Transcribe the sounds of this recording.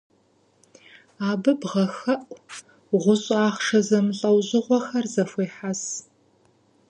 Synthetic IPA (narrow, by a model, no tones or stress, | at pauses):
aːbɨbʁɐxɐʔʼ | ʁʷʊɕʼaːχʂɐzɐmɬʼɐwʑɨʁʷɔxɐrzɐfʷeːħas